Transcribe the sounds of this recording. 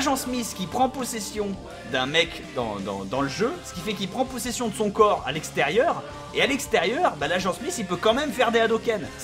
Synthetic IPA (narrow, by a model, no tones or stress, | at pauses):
ʒɑ̃smiskʲipχɑ̃pɔsɛsjɔ̃ | d̪ɛ̃mɛk | d̪ɑ̰̃d̪ɑ̰̃d̪ɑ̃ləʒøsə̥kʲifɛkilpχɑ̃pɔsɛsjɔ̃d̪əsɔ̃kɔʁa̰lɛkst̪ɛʁjœʁ | ealɛkst̪eʁjœːʁbalaʒɑ̃smisilpøkɑ̃mɛmfɛʁd̪ead̪okʲɛn